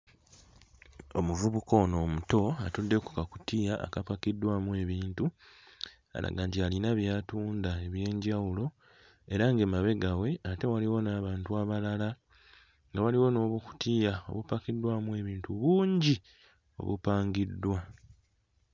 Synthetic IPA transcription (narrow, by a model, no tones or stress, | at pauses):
o̞muvuβuko̞no̞ːmuto̞atudːe̞ku̥kakutiːjaʔa̰kapakidːwamue̞βiːntu | a̰la̰ɡaːntialinaβjaːtuːndae̞βje̞ːɲɟawulo̞ | e̞ɾaŋɡe̞maβe̞ɡawe̞ate̞waliwo̞naːβaːntuaβalala | ŋɡawaliwo̞no̞ːβuku̥tiːjao̞̰βupakidːwamue̞βiːntuβuːɲɟi | o̞̰βṵpaːŋɡidːwa